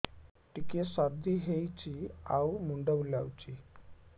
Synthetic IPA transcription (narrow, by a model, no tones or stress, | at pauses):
ʈikesad̪ʱiɦejt͡ɕiawmuɳɖəwljawt͡ɕi